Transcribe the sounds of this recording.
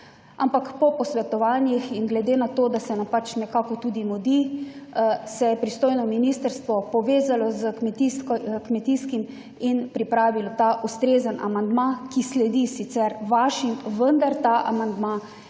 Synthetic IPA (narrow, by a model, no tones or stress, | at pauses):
ampakpɔpɔsʋɛt̪ɔʋaːnjixiŋɡlɛd̪eːnat̪oːd̪asɛnampat͡ʃnɛkaːkɔt̪ud̪imɔd̪i | sɛjɛpɾist̪oːjnɔminist̪əɾst̪ʋɔpɔʋeːzalɔzəkmɛt̪iskkmɛt̪iskim | inpɾipɾaːʋilɔt̪aʔust̪ɾeːzənʔa̰mand̪makislɛd̪isit̪sɛɾʋaʃimʋənd̪aɾt̪aʔa̰mand̪ma